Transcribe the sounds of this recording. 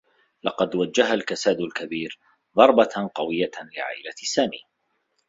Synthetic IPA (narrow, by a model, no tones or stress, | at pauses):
lɑqɑd̪wad͡ʒːaɦalkasaːd̪ʊlkabiːɾ | ðˤɑɾˤbɑqɑwɪjːalɪʕa̰ːʔɪlasaːmḭː